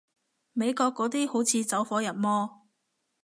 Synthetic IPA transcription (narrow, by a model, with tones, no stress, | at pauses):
me˨˧jkɔː˧kːɔː˨˥t̪iː˥ho˨˥wt͡sʰiː˨˧t͡sɐ˨˥wfɔː˨˥jɐ˨˩n̚mɔː˥